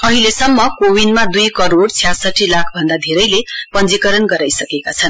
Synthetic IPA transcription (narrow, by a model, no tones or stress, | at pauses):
ʌɦilesʌmːʌkowinmad̪ujkʌɾoɽt͡sʰjasʌʈʰːilakʰbʱʌnd̪ad̪ʱeɾʌjlepʌnd͡zikʌɾʌnɡʌɾajsʌkekat͡sʰʌn